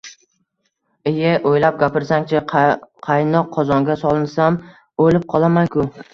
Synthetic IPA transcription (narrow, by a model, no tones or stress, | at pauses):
ɪjaʔojlap̚ɡʲapɪɾsaŋt͡ʃʰɪqʰɑjnɒqʰːɒzɒŋɡʲasɒlˠɪnsam | olɪp̚qʰɒlˠamankʰʊ